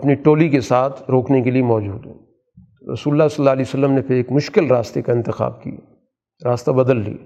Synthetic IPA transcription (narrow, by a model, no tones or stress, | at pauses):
ɐpniʈoːlikesaːt̪ʰɾoːknekeliemɔːd͡ʒuːd̪ɦɛ̰̃ | ɾɐ̰suːlʊlːasɐlːaːəliːosɐlːəmnepʰɪɾeːkmʊʃkɪlɾaːst̪ekaɪ̃nt̪ɪxa̰ːb̚kḭ | ɾaːst̪abɐd̪əlːḭ